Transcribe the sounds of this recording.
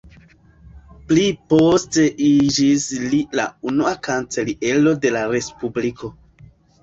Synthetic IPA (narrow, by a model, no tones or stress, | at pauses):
plipo̞ste̞ʔid͡ʒislila̰unuakant͡se̞liʔe̞lo̞de̞laɾe̞spubliko